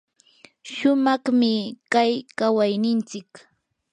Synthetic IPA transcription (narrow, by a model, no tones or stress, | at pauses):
ʃʊmɑχmɪkajkawajnɪnt͡sɪk